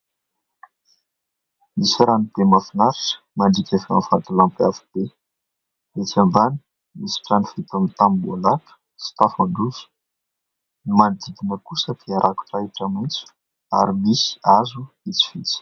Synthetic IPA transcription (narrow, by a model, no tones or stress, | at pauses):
misiɾanit̪emafinaɾaʈ͡ʂə̥maɳɖ͡ʐikʲafa̰nfant̪ulampafi̥b̪̥e | et͡sambani̥ | misi̥ʈ͡ʂanifet̪amit̪ambolakə̥ | si̥t̪afanɖ͡ʐuzu̥ | nimand̪id̪inəkusət̪ʰeaɾʔaku̥ʈ͡ʂaiʈ͡ʂamint͡su̥ | a̰ɾimisi̥azu | it͡si̥fit͡si̥